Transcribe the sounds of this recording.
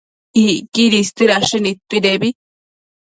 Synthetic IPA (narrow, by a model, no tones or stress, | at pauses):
ikiɾist̪iɾaʂinit̪ːiɾebi